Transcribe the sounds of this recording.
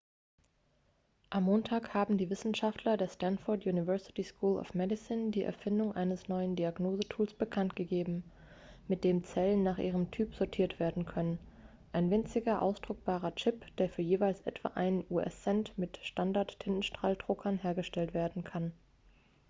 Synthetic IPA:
ʔamːoːntʰaːkhaːbm̩diːvɪsn̩ʃaftʰlɐdeːɐstanfɔɐtjuːnivɜɐsɪ̥tiskʰuːlʔɔ̰fmɛdɪsɪndiːʔɛ̰ɐfɪndʊŋʔaɪnəsnɔʏəndiaɡnoːzətʰuːlsb̥əkʰantɡ̥əɡeːbm̩ | mɪt̚d̥eːmt͡sɛlənːaːχʔiːʁəmtʰyːpz̥ɔɐtʰiːɐtv̥eːɐdn̩kʰœnən | ʔaɪnvɪnt͡sɪɡɐʔa̰ʊsd̥ʁʊk̚b̥aːʁɐt͡ʃɪpd̥eːɐfyːɐjeːvaɪlsʔɛ̰tv̥a̰ːʔaɪnənʔuʔɛ̰sːɛntmɪtʃtandaɐtʰːɪnn̩ʃtʁ̥aːldʁ̥ʊkʰɐnɦeːɐɡəʃtɛltv̥eːɐdn̩kʰan

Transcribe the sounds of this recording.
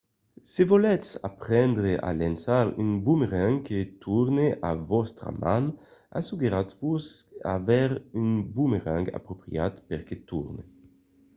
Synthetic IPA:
sevɔlɛsapʁɛnd̪ɾeʔa̰lansaɾynbumeʁãŋket̪ʰuɾneʔavɔst̪ɾa̰man | a̰suɡeɾasvusa̰vɛɾynbumeʁãŋɡa̰pɾopɾjat̪peʁket̪uɾne

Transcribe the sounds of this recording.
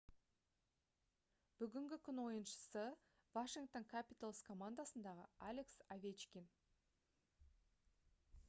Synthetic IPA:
b̥ʏɡʲɪŋɡʲɪkʲʰʏnwo̞jənʃə̥sə | vaʃiŋɡk̚t̪o̞ŋkʲʰapʲit̪alˠskʰo̞mand̪asənd̪ɑʁə̰alʲe̞ksavʲet͡ʃkʲin

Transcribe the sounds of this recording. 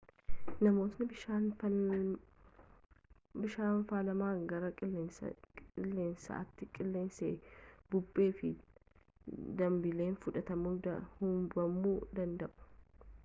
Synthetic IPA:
nɐmo̞ːt̪nɪbɪʃaːn | bɪʃaːnfaːlɐmaːŋɡɐɾɐ̰ | ɪlːe̞ːnsɐ̰ɐ̰t̪ːɪkʼɪlːe̞ːnsḛːbʊbːe̞ːfɪ | d̪ɐmbɪle̞ːnfʊᶑɐt̪ɐmud̪ɐhʊmbɐmːuːd̪ɐnd̪ɐʔʊ̥

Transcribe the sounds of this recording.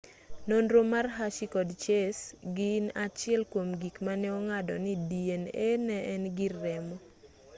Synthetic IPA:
nonɾomarɦaʃikɔdt͡ʃesɡɪnat͡ʃɪɛlkwomɡikmanɛɔŋadɔ̰nidienenɛʔɛnɡɪrːɛmɔ

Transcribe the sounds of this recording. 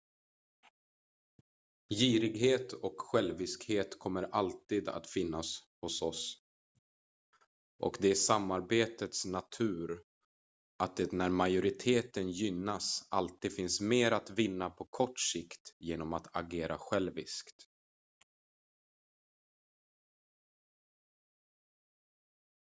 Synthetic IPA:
jiːɾɪɡheːt̪ʰɔkɧɛlvɪskheːt̪kʰɔmːəɾʔalt̪iːd̪a̰t̪fɪnːashʊsɔs | ʔɔ̰kd̪ɛæʂamːaɾbeːt̪ət̪snat̪ʰʉ̟ːɾ | ʔat̪̚d̪ɛnæɾmajʊɾɪt̪ʰeːt̪ənjʏnːasa̰lt̪iːd̪̥fɪnsmeːɾat̪vɪnːapʰɔkʰɔʈʂɪkt̪jeːnɔmat̪ʰa̰ɡeːɾa̰ɧɛlvɪ̰skt̪

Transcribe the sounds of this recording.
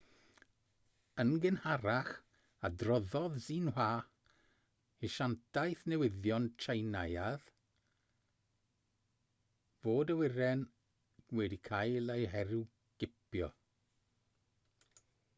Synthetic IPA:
ənɡɪnhaɾaχ | adrɔðɔðziːnwaː | iʃantʰajθnɛwɪðjɔntʰrajnajað | voːdəwɪɾɛn | wɛdikʰajlˠejɦɛɾu | ɡ̥ɪpjɔ̰

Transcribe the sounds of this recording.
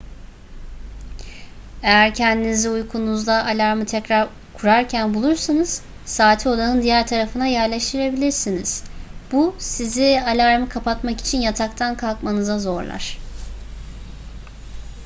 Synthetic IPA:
e̞jæɾcʰɛnd̪iniziujkʰunuzd̪ˠaʔalʲaɾmɯt̪ʰɛcɾaɾ | kʰuɾaɾcʰænbulˠuɾsanɯz̥ | saːt̪ʰio̞d̪ˠanɯnd̪ijæɾt̪ʰaɾafɯnajæɾlʲɛʃt̪ʰiɾe̞bilʲiɾsiniz̥busizialʲaɾmɯkʰapat̪maki̥t͡ʃʰinjat̪ʰakt̪ʰankʰalˠkmanɯzazo̞ɾlˠa̰ɾ̥

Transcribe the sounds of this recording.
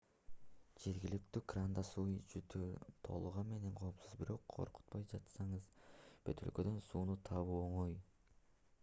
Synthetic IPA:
d͡ʒe̞ɾɡʲilykt̪yːkrand̪ɑsujd͡ʒyt̪ʰyt̪ʰo̞̰lˠuʁɑnme̞ne̞ŋqʰo̞ːpsɯzbiɾo̞qʰːo̰ɾqu̥t̪̚pɑjd͡ʒɑt̪sɑɴɯzb̥ø̰t̪ʰø̞lkø̞d̪ø̞nsuːnut̪ʰɑβuoɴoj

